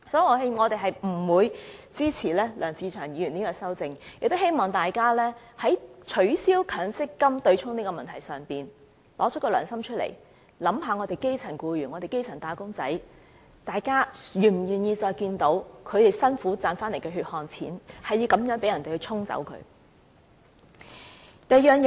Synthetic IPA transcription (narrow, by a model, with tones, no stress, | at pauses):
sɔː˨˥ji˨˩ŋɔː˨˧he˥ŋɔː˨˧t̪e˨jɦɐ˨jm̩˨˩wuː˨˧jt͡siː˥t͡sʰiː˨˩lɛː˥lœː˨˩ŋt͡siː˨˧t͡ʃʰœː˨˩ŋjiː˨˥ɥyː˨˩niː˥kɔː˧sɐ˥wt͡sɪ˧ŋjk̚t̪o˥he˥jmɔː˨˩ŋt̪aː˨jkaː˥lɛː˥ | hɐ˨˥jt͡ʃʰɵ˨˥ɥsiː˥wkʰœː˨˥ŋsɪ˥kːɐ˥mt̪ɵ˧ɥt͡sʰʊ˥ŋniː˥kɔː˧mɐ˨nt̪ʰɐ˨˩jsœː˨˩ŋpiː˨˩n | lɔː˨˥˦kːɔː˧lœ̰ː˨˩ŋsɐ˥mt͡ʃʰɵ˥t̚lḛ˨˩j | lɐ˨˥mɦaː˨˧ŋɔ˨˧t̪e˨jke˥jt͡sʰɐ˨˩nkuː˧jɥy˨˩nŋɔː˨˧e˨jke˥jt͡sʰɐ˨˩nt̪aː˨˧kʊ˥ŋt͡sɐ˨˥j | t̪aː˨jkaː˥jyː˨˩m̩˨jyː˨˩njiː˧t͡sɔː˧jkiː˧nt̪o˨˥wkʰɵ˨˧t̪e˨jsɐ˥nfuː˨˥t͡saː˧nfaː˥nle˨˩jkɛː˧ɦyː˧t̚hɔː˧nt͡sʰḭː˨˥nhɐ˨jːiː˨˧wkɐ˨˥mjœː˨˥ŋpe˨˥jɐ˨˩nt̪e˨jhɵ˧ɥt͡sʰʊ˥ŋt͡sɐ̰˨˧˥wkʰɵ̰˨˧ɥ | t̪ɐ˨jjœː˨˧ŋj